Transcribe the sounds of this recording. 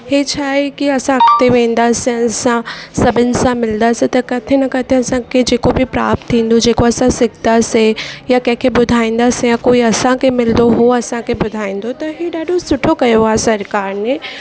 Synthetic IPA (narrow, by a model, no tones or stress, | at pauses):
heːt͡ɕʰaːekiɐsãɐkʰt̪eʋẽːn̆d̪aːseɐsãsɐbʱɪnɪ̆sãmɪld̪aːset̪ɐkɐt̪ʰɪnəkɐt̪ʰeɐsãkʰed͡ʑeːkobipɾa̰ːp̚t̪ʰːĩːn̆d̪od͡ʑeːkoɐsãsɪɡd̪aːsejakɐ̃ɦɪ̃kʰebʊd̪ʱaːĩːn̆d̪aːsejakoːiɐsãkʰemɪld̪oɦoɐsãkʰebʊd̪ʱaːĩːn̆d̪ot̪ɐɦiɗaːɖʱosʊʈʰokɐjoaːɦesɐɾkaːɾnẽː